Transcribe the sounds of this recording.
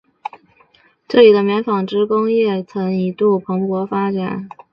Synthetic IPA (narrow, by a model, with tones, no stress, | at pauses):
ʈ͡ʂɤ˥˩li˨˩d̪ə˦mjɛ˧˥nfɑ˨˩ŋʈ͡ʂɻ̩˥kʊ˥ŋjɛ˥˩t͡sʰɤ˧˥ŋi˧˥t̪u˥˩pʰɤ˧˥ŋpwɔ˧˥fa˥ʈ͡ʂa˨˩˦n